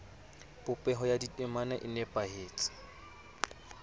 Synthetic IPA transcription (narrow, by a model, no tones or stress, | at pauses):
bʊpʼɛɦɔjaditʼɛmanaʔɪnɛpʼaɦeːt͡sʼɪ̥